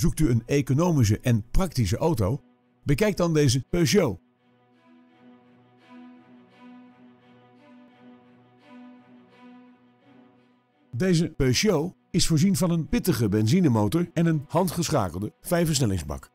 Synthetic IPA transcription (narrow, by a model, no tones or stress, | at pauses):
zuk̚tyənekonowmis̬əʔɛnprɑktisəʔowtow | bəkɛjk̚dɑndejzəpøɥʃow | dejzəpøɥʃow | ɪsfʊːɹzinvɑnənpɪtəχəbɛnzinəmowtɔɹɛnənhɑntχəsχa̰ːkəlˠdəv̥ɛjfəsnɛlɪŋzbɑ̰k